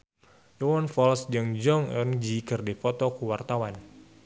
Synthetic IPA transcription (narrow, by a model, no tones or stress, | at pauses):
jɔwɔnfɔlsd͡ʒɨŋd͡ʒɔŋɔnd͡ʒikɨrdifɔt̪ɔkuwart̪awan